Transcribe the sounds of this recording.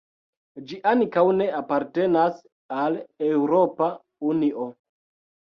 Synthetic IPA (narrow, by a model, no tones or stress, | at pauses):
d͡ʒiʔankawne̞apaɾte̞nas | alewɾo̞pa | uniʔo